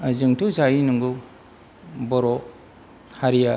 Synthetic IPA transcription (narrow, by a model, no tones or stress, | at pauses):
zɯŋtʰuzainuŋɡu | bɔɾɔ | haɾija